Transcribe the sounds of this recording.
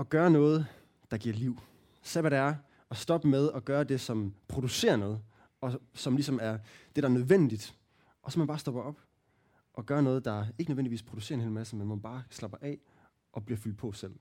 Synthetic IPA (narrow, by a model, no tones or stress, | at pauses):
ɒ̽ɡ̥ɶːɐnɔ̽ːð̞̩ˠ | d̥ɑ̈ɡ̥iɐ̰liʊ̰ | seʋæɾæɐ | ɒ̽sd̥ɒ̽b̥əmeð̞ˠɒ̽ɡ̥ɶːɐd̥e̝sɒ̽mpʰʁo̝d̥use̝̰ːɐnoð̩ˠ | ɒ̽sɒ̽mlis̬ɒ̽mæɐd̥e̝ɾ̥ɑ̈æɐnøð̞ˠʋen̰d̥id̥ | ʔɒ̽sɒ̽mænb̥ɑ̈ːsd̥ɒ̽b̥ɐɒ̽b̥ | ʔɒ̽ɡ̥ɶːɐnɔːð̞̩ˠd̥ɑ̈æɐe̝ɡ̥nøʋḛn̰diḭːspʰʁo̝d̥use̝̰ɐenhe̝ːlmæsəmenmænb̥ɑ̈ːslɑ̈b̥ɐʔɛ | ʔɒ̽b̥liɐfyl̰d̥̚pʰɒ̽sel̰